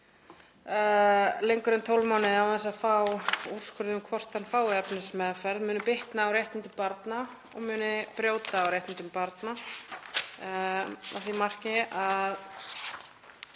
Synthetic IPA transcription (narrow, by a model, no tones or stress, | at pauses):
lejŋkʏɾʏnt̪ʰowlmɔːnɪðawθɛns̬aðfawur̥skʰvʏɾðʏmkʰvɔr̥t̪anfaːwɛpnɪsmɛːðafɛɾðmʏːnʏpɪht̪naːwɾjejht̪nɪnt̪ʏmpaɾt̪na | ɔɣmʏːnɪpɾjoːwt̪aːwɾjejht̪ɪnt̪ʏmpaɾt̪na | a̰θimar̥cɪʔað